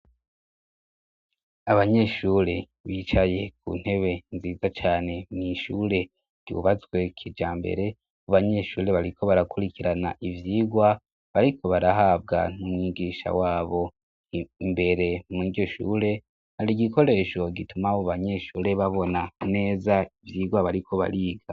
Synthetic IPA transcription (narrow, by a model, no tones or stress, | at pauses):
aβaɲe̞ʃuːɾe̞ | βiːt͡ʃaje̞k̚ṵn̥he̞βe̞nziːzat͡ʃaːne̞miʃuːɾe̞ | ɾ̥ɟ̥ṵβazɡwe̞kʰid͡ʒaːmbḛɾe̞ | uβaɲe̞ʃuːɾe̞βaɾiko̞βaɾakuɾikiɾanaʔivjiːɡwa | βaɾikʰo̞βaɾaɦabɡa̰numŋiɡiːʃa̰waːβo̞ | imbe̞ɾe̞miɟjo̞ʃṵːɾe̞ | haɾiɡiko̞ɾe̞ːʃo̞ɡitumaβoβaɲe̞ʃuːɾe̞βaβo̞nane̞ːzaivjiːɡwaβaɾikʰo̞βa̰ɾiːɡa